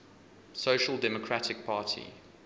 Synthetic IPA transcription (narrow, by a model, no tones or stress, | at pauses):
soʊʃəlˠdɛməkʰɹ̥atɪk̚pʰɑːˑtʰḭ